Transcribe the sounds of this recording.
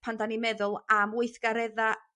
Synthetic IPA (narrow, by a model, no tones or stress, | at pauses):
pʰandanimɛðʊlˠamwʊjθɡ̥aɾɛða